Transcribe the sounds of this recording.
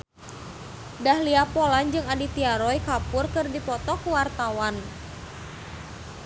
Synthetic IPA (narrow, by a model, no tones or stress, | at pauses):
dahliapoland͡ʒɨŋadit̪iaɾɔjkapʊrkɨrdipɔt̪ɔkuwart̪awan